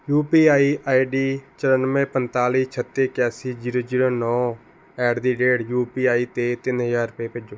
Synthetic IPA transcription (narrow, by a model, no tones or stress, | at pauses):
juːpiːaːiːʔaːiɖiːt͡ʃəɾənmẽːpənt̪aːliːt͡ʃʰət̪ːeːkɛːsiːd͡ʒiːɾoːd͡ʒiːɾoːnɔ̃ː | ɛːɖd̪iːɖeːɽjuːpiːaːiːt̪eːt̪ɪnɦəd͡ʒaːɾəpeːped͡ʒoː